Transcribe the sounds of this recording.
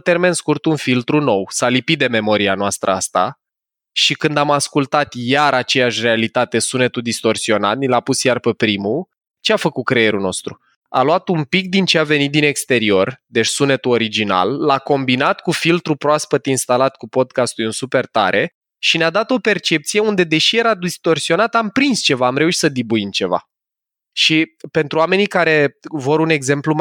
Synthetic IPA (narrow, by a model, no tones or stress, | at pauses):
t̪e̞rme̞nskurt̪unfilt̪ɾuno̞wsalipit̪̚d̪e̞me̞mo̞ɾianoast̪ɾʔə̰ast̪a̰ | ʃikɨnd̪amaskult̪at̪jaɾat͡ʃe̞jaʃʲre̞alit̪at̪e̞sune̞t̪ud̪ist̪o̞rsio̞na̰t̪̚nilapusjarpepɾimu | t͡ʃeafəkut̪̚kɾeje̞ɾuno̞st̪ɾu | a̰luat̪umpik̚d̪int͡ʃeave̞nit̪̚d̪ine̞kst̪e̞ɾio̞rd̪e̞t͡ʃʲsune̞t̪uo̞ɾid͡ʒina̰lːako̞mbinat̪kufilt̪ɾupɾoaspət̪inst̪alat̪kupo̞d̪̚kast̪ujɨnsupe̞rt̪a̰ɾʔe̞ | ʃinead̪at̪o̞pe̞rt͡ʃe̞p̚t̪sije̞und̪e̞d̪e̞ʃije̞ɾad̪ist̪o̞rsio̞nat̪ampɾinst͡ʃe̞vaːmɾe̞uʃsəd̪ibuimt͡ʃe̞va̰ | ʃipe̞nt̪ɾuwame̞nikaɾe̞vo̞ɾune̞ɡze̞mplum